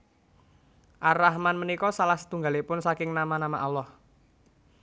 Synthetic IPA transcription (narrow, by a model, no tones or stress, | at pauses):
ʔaɾahmanmənikɔsalahsə̥t̪uŋɡalipʊnsakɪŋnamanamaʔɔlɔh